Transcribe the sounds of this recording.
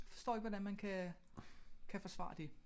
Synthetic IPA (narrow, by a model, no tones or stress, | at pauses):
fɒ̽sd̥ɔ̰ːe̝ɡ̥ʋɒd̥ænmænkʰæ | kʰæfɒ̽sʋɑ̰̈ːd̥e̝